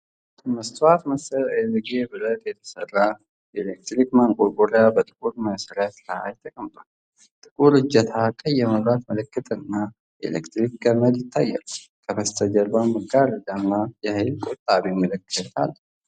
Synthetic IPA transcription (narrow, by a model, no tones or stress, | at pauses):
məst̪wat̪məsəɾelɡebɨlət̪jɛt̪ʰə̥sərːa | jɛlek̚t̪ɾikmaŋkʼuɾkʼuɾjabət̪ʼɨ̥kʼuɾməsəɾat̪laa̰jɪt̪ʰːəkʼəmt̪ʼa | t̪ʼɨkʼuɾɨd͡ʒːət̪ʰakʼəjːɛməβat̪mələkːət̪ʰʼnːa | jḛlḛkt̪ɾikɡəməd̪jɪt̪ʰːajːa̰l | kʰəməst̪ʰəd͡ʒɐbaməɡaɾəd̪anːajɛhɨlkʼɔt̪ʼːaβimələkːət̪ʰa̰l